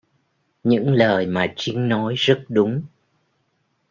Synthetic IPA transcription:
ɲɨ̰˧˥ŋləː˨˩jmaː˨˩t͡ɕï˨˦ŋ̟nɔ˨˦jzə˦˥t̚ɗʊ˨˦ŋ͡m

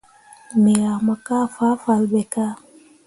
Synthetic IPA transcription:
mi˨ɾa˨ma˨ka˦fa˦fa˨lbɛ˨ka˦

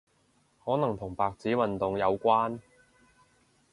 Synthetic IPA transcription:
hɔː˨˥nɐ˨˩ŋt̪ʰʊ˨˩ŋpaː˨k̚t͡siː˨˥wɐ˨nt̪ʊ˨ŋjɐ˨˧wkʷaː˥n

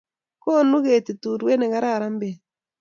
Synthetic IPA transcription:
ko˦nu˦ɣe˨te˨tu˨ɾwɛ˦nɛ˨ɣa˦ɾa˦˨ɾa˦mbe˨

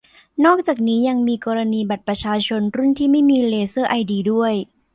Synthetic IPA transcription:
nɔː˥˩k̚t͡ɕaː˨˩k̚niː˦˥ja˧ŋmiː˧kɔː˧ɾa˧niː˧ba˨˩t̪̚pɾa˧t͡ɕʰaː˧t͡ɕʰo˧nɾu˥˩nt̪ʰiː˥˩ma˥˩jmiː˧leː˧sɤː˥˩ʔa˧jdiː˧du˥˩əj

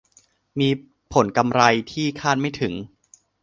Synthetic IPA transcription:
miː˧ | pʰo˩˦nka˧mɾa˧jt̪ʰiː˥˩kʰaː˥˩t̪̚ma˥˩jt̪ʰɯ˩˦ŋ

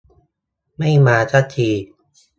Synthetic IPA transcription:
ma˥˩jmaː˧t͡ɕʰa˦˥t͡ɕʰiː˧

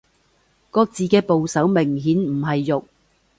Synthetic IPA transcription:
kɔː˧k̚t͡siː˨kɛː˧po˨wsɐ˨˥wmɪ˨˩ŋɦiː˨˥nm̩˨˩ɦɐ˨jːʊ˨k̚

